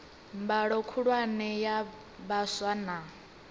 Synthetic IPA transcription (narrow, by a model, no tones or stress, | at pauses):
mbaɺɔkʰuɺwanɛja | baswana